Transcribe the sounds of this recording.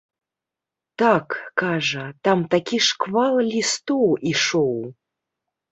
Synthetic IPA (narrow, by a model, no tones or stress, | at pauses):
t̪akːaʐɐt̪amt̪akʲiʂkvalˠlʲist̪owiʂow